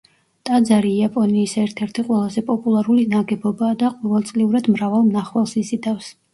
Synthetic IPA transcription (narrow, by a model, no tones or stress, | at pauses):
t̪ʼad̪zaɾiːapʼɔniːsɛɾt̪ʰɛɾt̪ʰiqʼwɛlˠazɛpʼɔpʼulˠaɾulinaɡɛbɔbaːd̪aqʼɔvɛlˠt̪sʼliuɾad̪mɾavalˠmnaχwalˠsizid̪afs